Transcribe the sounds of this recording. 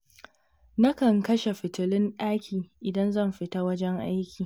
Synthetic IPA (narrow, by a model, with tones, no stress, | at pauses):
nɐ˦kɐ˨ŋkɐ˦ʃe˨ɸɪ˨tɪ˨lɪ˦nɗaː˦kʲʰiː˨ʔɪ˨dɐ˦nzɐ˦˨mɸɪ˨ta˦wɐ˦d͡ʒɛ˦ŋʔa˦jkʲiː˨